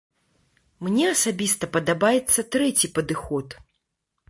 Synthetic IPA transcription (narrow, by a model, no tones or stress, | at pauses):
mnʲɛɐsabʲist̪ɐpɐd̪abajɛt̪sːɐt̪ɾɛt͡sʲipɐd̪ɨxɔt̪